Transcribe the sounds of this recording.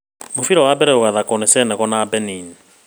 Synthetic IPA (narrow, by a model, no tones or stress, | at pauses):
mofiɾɔwabɛɾɛoɣaðakɔnesɛnɛɣɔnabɛnin